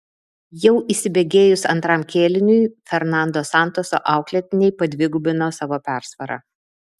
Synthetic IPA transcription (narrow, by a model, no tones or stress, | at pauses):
jɛʊʔiːsʲɪbʲeɡʲeːjʊsɐnt̪ɾɑmkʲeːlʲɪnʲʊɪfʲɛɾnɑˑnd̪oːsɑˑnt̪oːso̰ːʔɑˑʊklʲɛt̪ʲɪnʲɛɪpɐd̪ʲʋʲɪɡʊbʲɪnoːsɑːʋoːpʲæˑɾsʋɐɾɐ̰